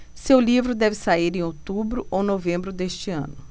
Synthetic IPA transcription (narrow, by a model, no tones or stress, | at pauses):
sewlivɾʊd̪ɛvɪsaiɾẽj̃ot̪ubɾʊʔownovẽmbɾʊd̪eʃt͡ʃɪɐ̰̃nʊ